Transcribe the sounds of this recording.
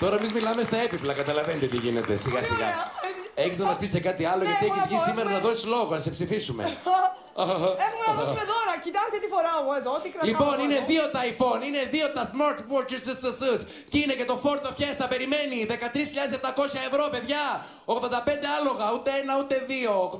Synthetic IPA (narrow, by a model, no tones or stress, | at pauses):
t̪o̞ɾɐemizmilɐme̞st̪ɐe̞piplɐkɐt̪ɐlɐvenid̪ot̪iʝine̞̰t̪e̞̰siɣɐsiɣɐ̰ | eçiznɐmɐspisekɐt̪iɐloet̪ieçissimeɾɐɐnɐðo̞sizlo̞ɣonɐsepsifisumḛ | exumenɐðosmet̪oɾɐcit̪ɐst̪it̪ifoɾɐmueðoot̪ikɾɐlipo̞nineðio̞t̪ɐjfo̞nine̞ðio̞t̪ɐθmoɾt̪poɾciɾssɐsɨs | cine̞ce̞t̪o̞fo̞ɾt̪ofçesθɐpe̞ɾime̞niðe̞kɐt̪ɾisçiʎɐðes̬eft̪ɐko̞sçɐevɾo̞pe̞ðʝɐ | o̞ɣðond̪ɐpe̞nd̪e̞ɐlo̞ɣɐut̪eenɐut̪e̞ðio̞ɣ